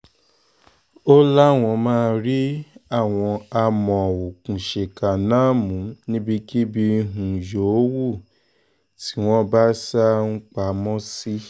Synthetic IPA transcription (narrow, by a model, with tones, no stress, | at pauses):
o˦la˦˨w̃ɔ̃˧mãː˦˧ɾi˦a˦˨w̃ɔ̃˧a˧mɔ̃˨wo˨kũ˨ʃe˨ka˨nãː˦mũ˨˦nĩ˦bi˧ki˦bi˧ɦũ˨jo˨˦wu˦˨ | ti˨˦w̃ɔ̃˦ba˦sa˦ŋ̩˦k͡pa˧˦mɔ̃˦si˦